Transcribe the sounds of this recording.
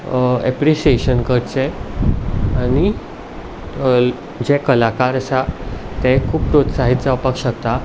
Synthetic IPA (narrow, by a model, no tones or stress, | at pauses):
ɛpɾiɕieɕənkəɾt͡sɛ | ani | d͡ʑɛkəlakaɾəsat̪ɛkʰuːp̚pɾot̪saɦit̪d͡zapəkɕək̚t̪a